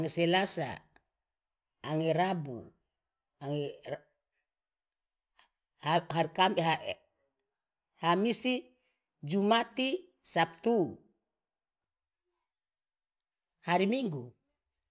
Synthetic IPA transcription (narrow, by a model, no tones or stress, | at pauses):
aŋesɛlasa̰ | ŋeɾabṵ | aŋɛ | hahaɾkamɦa | hamisi | d͡ʒumat̪i | sap̚t̪u | haɾimiŋɡu